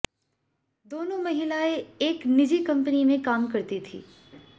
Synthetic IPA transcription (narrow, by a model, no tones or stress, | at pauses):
d̪oːnõmɐɦɪlaeeːknɪd͡ʒikɐ̃mpənimẽkaːmkɐɾt̪it̪ʰḭː